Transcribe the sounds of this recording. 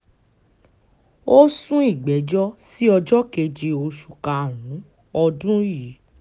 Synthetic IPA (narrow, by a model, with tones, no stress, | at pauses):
o˦sũ˦i˦˨ɡ͡bɛ˨˦d͡ʒɔ˦si˦ɔ˧d͡ʒɔ˦ke˧d͡ʒe˧o˧ʃu˨ka˨ɾ̃ũ˨˦ | ɔ˧dũ˦ji˨˦